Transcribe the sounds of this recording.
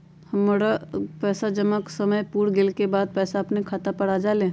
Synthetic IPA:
hɐmːoːɽapɛːsad͡ʒɐmaksɐməjpuːɽɡelkebaːd̪̚pɛːsaɐpnekʰaːt̪apɐɽad͡ʒaːlẽː

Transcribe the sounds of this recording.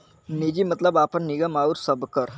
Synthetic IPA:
niːd͡ʒimɐt̪ləbaːpəɾnɪɡəmaːuɾsɐbkɐɾ

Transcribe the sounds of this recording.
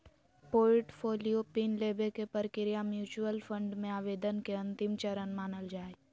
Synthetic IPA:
poːʈfʰoːlijopiːnleːbekepəɾkɪɾɪjamjuːt͡ʃuəlfʰə̃ɳɖmẽaːʋeːd̪ənkeɐ̃nt̪ɪmt͡ʃɐɾənmaːnəld͡ʒaːe

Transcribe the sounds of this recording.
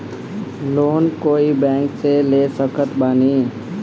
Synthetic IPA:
loːnkoːibɛ̃ːŋkselesəkət̪baːniː

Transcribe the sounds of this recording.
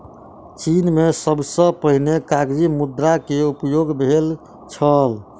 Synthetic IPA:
t͡ʃinmesəbsə̃pəɦnekaɡd͡ʒimud̪ɾakeupjoɡbʱel | t͡ʃʰəl

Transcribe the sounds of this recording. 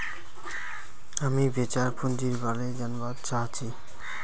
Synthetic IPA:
amibet͡ɕaɾpʰund͡ʑiɾbaled͡ʑanbat̪t͡ɕʰat͡ɕʰi

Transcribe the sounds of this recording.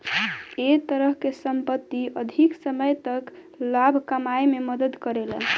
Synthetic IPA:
et̪əɾəɦkesəmpət̪ːiəd̪ʱiksəməjt̪ək | labʱkəmaememəd̪əd̪kəɾelə̰n

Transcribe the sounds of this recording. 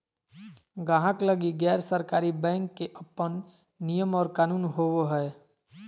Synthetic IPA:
ɡaːɦəkləɡiɡɛːɾsəɾkaːɾibɛ̃ːŋkːeʔəpːən | nijəmɔːɾkaːnuːnɦoːoɦɛː

